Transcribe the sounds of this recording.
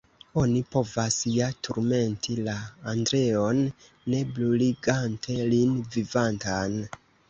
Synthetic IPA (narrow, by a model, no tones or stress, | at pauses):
o̞nipo̞vasjatʰuɾme̞ntʰilaːndɾe̞o̞nː | e̞bluliɡantʰe̞linvivantan